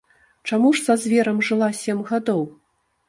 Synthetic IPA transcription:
t͡ʂamuʂsɐzʲvʲɛɾɐmʐɨlˠasʲɛmɣad̪ɔw

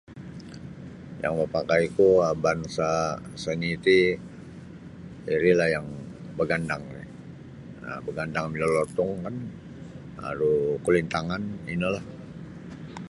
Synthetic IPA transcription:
ja̰ŋməpakajikuabansasənit̪i | iɾilahjaŋ | bəɡandaŋnɪ | ə̰bəɡandaŋmilolɔt̪ɔŋkan | a̰ɾukulint̪aŋanḭnulah

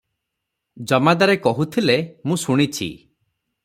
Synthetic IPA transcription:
d͡ʒɔmad̪aɾekɔɦut̪ʰilemũsuɽ̃it͡ʃʰḭ

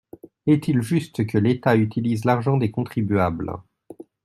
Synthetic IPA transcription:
ɛt̪ilʒyst̪kəlet̪ayt̪ilizlaʁʒɑ̃d̪ekɔ̃t̪χibɥabl

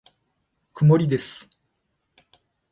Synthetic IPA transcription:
kɯ̟mo̞ɾʲid̪e̞sɨ̥

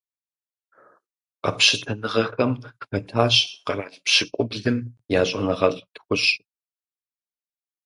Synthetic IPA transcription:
qɐpɕɪtʰɐnɨʁɐxɐmpɐtʰaːɕqɐraːɬpɕɪkʷʼʊbɮɨmjaːɕʼɐnɐʁɐɕʼtʰxʷʊɕ

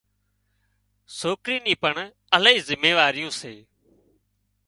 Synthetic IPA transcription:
soːkɾiːniːpəɳ | ələiːzɪmeːʋaːɾɪjõːseː

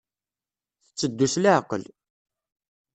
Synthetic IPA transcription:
θət͡sːəd̪ːuslaʕqːə̰l

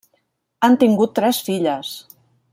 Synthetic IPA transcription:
ant̪iŋɡut̪ːɾɛsfiʎəs

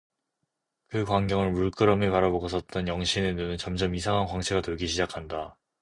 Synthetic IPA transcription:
kɯkwaŋɡjʌŋɯɭmuɭk͈ɯɾʌmepaɾaboɡʌs͈ʰʌt̚t͈ʌnjʌŋɕʰinenunɯnt͡ɕʌmd͡ʑʌmisʰaŋɦankwaŋt͡ɕʰeɡatoɭɡiɕʰid͡ʑakʰanda

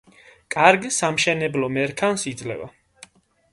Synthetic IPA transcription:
kʼaɾɡsamʃɛnɛblɔmɛɾkʰansid̪zlɛ̰va̰

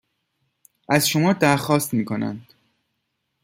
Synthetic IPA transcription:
ʔæzʃomɒːd̪æɾxɒːst̪miːkʰo̞næ̰nd̪̥

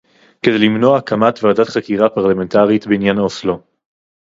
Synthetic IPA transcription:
kede̞limno̞akʰamatvaaːdat̪χakiʁapaʁlamentaʁitbeinjanaoslo

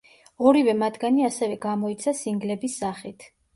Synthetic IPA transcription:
ɔɾivɛmat̪ʰɡaniasɛvɛɡamɔit̪sʰasiŋɡlɛbisːaχit̪ʰ

